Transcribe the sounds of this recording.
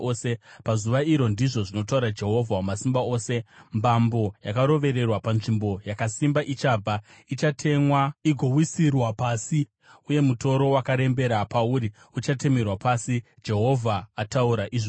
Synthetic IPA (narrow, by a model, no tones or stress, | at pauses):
oːse̞pazuʋaiɾo̞ndiʐo̞ʐino̞t̬auɾad͡ʒe̞ɦo̞vʱawamasimbao̞ːse̞mbambo̞jakaɾo̞ʋe̞ɾe̞rwapanʐimbo̞jakasimbaʔit͡ʃaːb͡vʱa | it͡ʃatʰe̞mwaiɡʱo̞wisirwapaːsi | uje̞muto̞ɾo̞wakaɾe̞mbe̞ɾapauɾi | ut͡ʃate̞me̞rwapasi | d͡ʒe̞ɦo̞vʱaːtauɾaʔiʐo